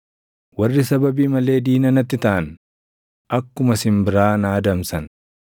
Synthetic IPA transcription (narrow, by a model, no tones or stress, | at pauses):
wɐrːɪsɐbɐbiːmɐle̞ːd̪iːnɐnɐt̪ːɪt̪ɐʔɐn | ʔɐkːʊmɐsɪmbɪɾaːnaːd̪ɐmsɐn